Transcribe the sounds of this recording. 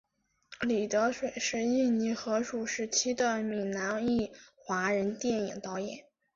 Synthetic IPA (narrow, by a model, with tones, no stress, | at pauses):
li˨˩t̪ɤ˧˥ʂwe˨˩ɪʂə˧˥i˥˩ni˧˥xɤ˧˥ʂu˨˩ʂɻ̩˥˩t͡ɕʰi˥d̪ə˧mi˨˩na˧˥ni˥˩xwa˧˥ɻə˧˥nt̪jɛ˥˩nḭ˨˩ŋt̪ɑ˥ʊjɛ̰˨˩˦n